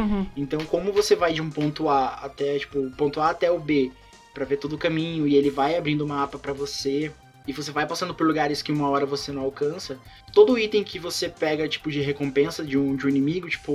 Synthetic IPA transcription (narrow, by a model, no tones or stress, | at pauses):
ẽnt̪ɐ̃w̃kõmʊvosevajd͡ʒɪũpõnt̪ʊaat̪ɛt͡ʃi̥pʊpõnt̪ʊaːt̪ɛʊbe | pɾɐvet̪od̪ʊkɐmĩɲʊɪelɪvajabɾĩnd̪ʊũmɐapɐpɾɐvose | ɪvosevajpasɐ̃nd̪ʊpoɾluɡaɾɪskɪũmɐɔɾɐvosenɐ̃w̃awkɐ̃sɐ | t̪od̪ʊːit̪ẽj̃kɪvosepɛɡɐt͡ʃi̥pʊd͡ʒɪɦekõpẽsɐd͡ʒɪũd͡ʒɪũinĩmiɡʊt͡ʃi̥pʊ